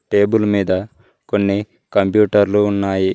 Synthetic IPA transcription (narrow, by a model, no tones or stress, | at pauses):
ʈe̞ːbulmiːd̪ɐ | ko̞nːi | kɐmpjuːʈɐɾluːnːaːji